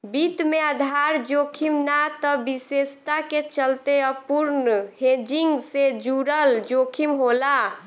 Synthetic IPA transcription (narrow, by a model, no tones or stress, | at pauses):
bit̪meəd̪ʱaɾd͡ʒokʰimnat̪əbisest̪aket͡ʃəlt̪eəpuɾnhed͡ʒiŋɡsed͡ʒuɾəld͡ʒokʰimɦola